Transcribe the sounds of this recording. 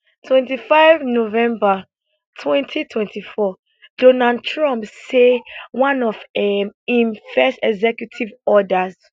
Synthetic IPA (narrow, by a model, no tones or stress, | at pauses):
tʰwɛ̃ntifaɪvnovɛ̃mba | tʰwɛ̃ntʰitʰwɛ̃ntifɔ | d̥ɔnad̚tʰɹɔ̃mpsewãnɔvɛĩmfɛstɛɡzɛkjutʰivɔdaz